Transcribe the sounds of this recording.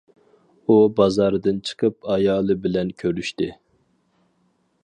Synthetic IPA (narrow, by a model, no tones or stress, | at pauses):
ubɑzɑɾɨd̪ɨnt͡ʃʰə̥qʰəp̚ɑjɑːlˠɨbɪlɛnkʲʰøɾyʃt̪ɪ